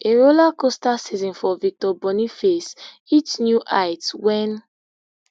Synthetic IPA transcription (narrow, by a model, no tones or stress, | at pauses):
eɹolakostasizɔ̃nfɔvik̚tɔbɔnifes | itnjuʔaɪtwɛ̃n